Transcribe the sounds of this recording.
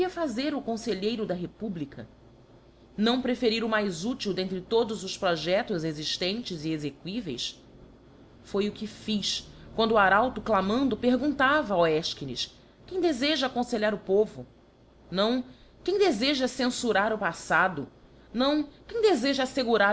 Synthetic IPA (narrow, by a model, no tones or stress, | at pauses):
iɐfazeɾʊkõseʎejɾʊd̪ɐɦepublikʰɐ | nɐ̃w̃pɾefeɾiɾʊmajzut͡ʃiwd̪ẽnt̪ɾɪt̪od̪ʊzʊʃpɾɔʒɛt̪ʊzeziʃt̪ẽnt͡ʃɪziezekwivḛjs | fojʊkɪfiʃkwɐ̃nd̪ʊuaɾawt̪ʊklamɐ̃nd̪ʊpeɦɡũnt̪avɐoɛʃkinɪ̰ʃ | kẽj̃d̪ezeʒɐakõseʎaɾʊpovʊ | nɐ̃w̃ | kẽj̃d̪ezeʒɐsẽsuɾaɾʊpasad̪ʊ | nɐ̃w̃kẽj̃d̪ezeʒɐːseɡuɾa